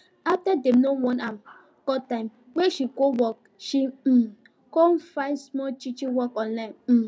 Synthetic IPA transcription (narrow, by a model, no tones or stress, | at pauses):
aftadẽmnowɔ̃nam | kɔtãɪ̃m | weʃiɡowɔk̚ | ʃi | konfãɪnsmɔt͡ʃit͡ʃĩwɔkɔ̃nlaɪ̃m̩